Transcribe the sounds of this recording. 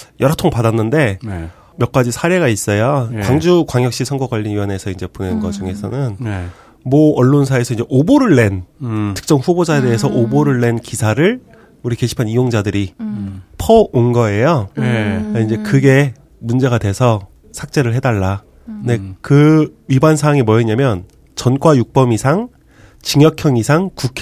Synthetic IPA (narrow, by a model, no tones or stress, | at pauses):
jʌɾʌtʰoŋpadanːɯnde̞ | mjʌk͈ad͡ʑisʰaɾe̞ɣais͈ʌjokwaŋd͡ʑukwaŋjʌkɕ͈isʰʌŋɡʌɡwaʎːinijʌne̞sʰʌind͡ʑe̞ponenɡʌd͡ʑuŋe̞sʰʌ̰nɯn | mʌʌɭːons̬ʰae̞sʰʌind͡ʑe̞ʔoboɾɯɭːe̞ntʰɯ̥k̚t͡ɕ͈ʌŋɸubod͡ʑaede̞ːsʰʌʔoboɾɯɭːe̞nkisʰaɾɯɭ | uɾike̞ɕʰi̥pʰanijoŋd͡ʑadɯɾi | pʰʌonɡʌe̞jo | aind͡ʑe̞kɯɡe̞ | mund͡ʑe̞ɡadwe̞sʰʌ | sʰak̚t͡ɕ͈e̞ɾɯɭɦe̞daɭːa | kɯnde̞kɯɥibansʰaaŋimwʌeɲamjʌn | t͡ɕʌnkwajuk̚p͈ʌmisʰaŋ | t͡ɕiŋjʌkʰjʌŋisʰaŋkukʰ